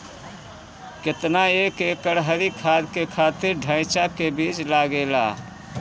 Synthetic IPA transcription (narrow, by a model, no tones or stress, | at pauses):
ket̪naekekəɽɦəɾikʰad̪kekʰat̪ɪɾɖʱə̃ɪt͡ʃakebit͡ʃlaɡela̰